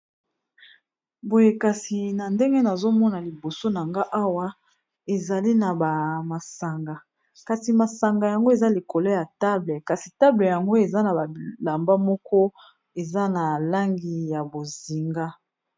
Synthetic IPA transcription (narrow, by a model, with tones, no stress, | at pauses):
bo˨je˨ka˨si˨na˨nde˦ŋɡe˦na˨zo˦mɔ˦na˨li˨bo˨so˦na˨ŋɡa˦ʔa˦wa˦ | e˨za˨li˦na˨ba˨ma˨sa˨ŋɡa˨ | ka˨ti˨ma˨sa˨ŋɡa˨ja˨ŋɡo˦e˨za˦li˨ko˨lɔ˦ja˨ta˦blɛ˨ka˨si˨ta˦blɛ˨ja˨ŋɡo˦e˨za˦na˨ba˨la˨mba˦mɔ˦kɔ˦ | e˨za˦na˨la˦ŋɡi˨ja˨bo˨zi˨ŋɡa˦